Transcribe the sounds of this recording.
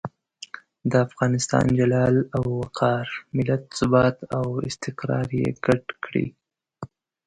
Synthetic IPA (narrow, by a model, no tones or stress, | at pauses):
d̪əafɣɑnɪst̪ɑ̰nd͡ʒalɑlawːaqʰɑɾmɪlat̪̚sʊbɑt̪awɪst̪ɪqɾɑ̰ɾjḛɡ̥aʈkɽḭ